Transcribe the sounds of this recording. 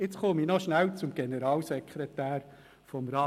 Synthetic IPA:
ɪt͡sχominɔʃnæwt͡sʊmɡ̥enəɾɑːlsɛkʰχɾɛt̪æːɾ | fɔmɾɑː

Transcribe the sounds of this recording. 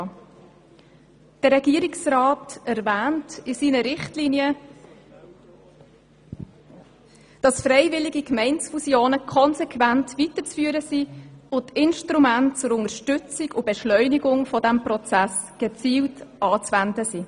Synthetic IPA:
d̥əːɛɡiːəɾiksrɑːtæɾvæːntisiːnəɾɪχtlinjə | d̥ɑsfɾɛɪvɪliɡikmɛɪnsfusjoːnəkʰɔnsekʰvæntʋitət͡sfyːəɾəsiʊntɪnʃtɾumæntt͡sʊɾʊŋəʃtʏt͡sɪɡʊb̥eʃlœʏniɡʊŋfɔdæmprɔt͡sæs | ɡ̥ət͡siːwtʔɑːt͡sʋændəsi

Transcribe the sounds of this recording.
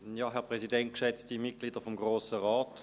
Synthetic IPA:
jɑːɦɛʁpʁɛzidɛnt̚kʃɛt͡stimit̚ɡ̥liːd̥əfɔmɡʁoːsəʁaːt

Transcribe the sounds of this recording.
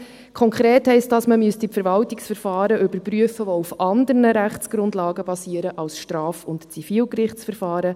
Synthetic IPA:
kʰɔŋkʰɾeːthɛɪst̚dɑsməmyəstipfɛɾʋɑltiksfəɾfɑːɾəʔʏbəɾpryəfəʋɔufʔɑndəɾnəɾæχt͡sɡ̥ɾʊndlɑːɡəbɑsiːəɾəʔɑlsʃtrɑːfʊntt͡sifiːlkrɪχt͡sfəɾfɑːɾə

